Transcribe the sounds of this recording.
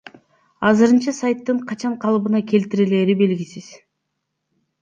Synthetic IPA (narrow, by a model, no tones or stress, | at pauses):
ɑzɯɾɯnt͡ʃɑsajt̪ːɯɴqʰɑt͡ʃɑɴqʰɑlˠβɯnɑkʰʲe̞lt̪iɾele̞ːɾibe̞lɡʲisiz̥